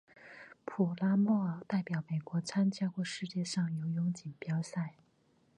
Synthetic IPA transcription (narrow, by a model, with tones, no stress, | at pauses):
pʰu˨˩la˥mɔ˥˩ə˨˩t̪a˥˩ɪpjɑ˨˩˥ʊme˨˩ɪkwɔ˧˥t͡sʰa˥nt͡ɕja˥kwɔ˥˧ʂɻ̩˥˧t͡ɕjɛ˥˧ʂɑ˥˩ŋjo˧˥ʊjʊ˧˥ŋt͡ɕi˨˩npjɑ˥ʊsa˥˩ɪ